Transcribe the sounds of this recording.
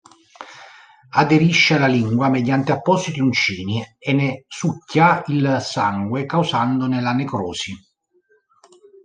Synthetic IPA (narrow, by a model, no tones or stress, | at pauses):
ad̪eɾiʃːealaliŋɡwamed̪jant̪eapːɔsit̪iunt͡ʃiːnienːesucːailsaŋɡwekawsand̪onelanekɾɔ̰ːsi